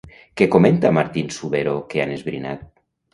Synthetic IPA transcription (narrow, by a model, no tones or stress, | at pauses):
kekoment̪amaɾt̪insuβeɾokeanezβɾḭna̰t̪̚